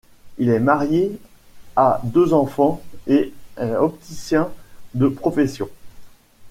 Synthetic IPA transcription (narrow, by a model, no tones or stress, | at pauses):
ilɛmaʁje | ad̪øzɑ̃fɑ̃eɛɔp̚t̪isjɛ̃d̪əpχɔfɛsjɔ̃